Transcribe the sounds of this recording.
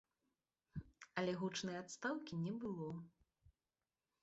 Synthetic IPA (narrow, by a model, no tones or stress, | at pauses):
ɐlʲɛɣut͡ʂnɨjɛat̪st̪awkʲinʲɛbɨlˠɔ